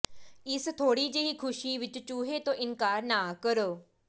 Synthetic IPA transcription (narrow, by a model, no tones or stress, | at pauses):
ɪst̪ʰoːɽiːd͡ʒeːiːkʰʊʃiːʋɪt͡ʃt͡ʃuːɦeːt̪õːʔɪnkaːɾnaːkəɾoː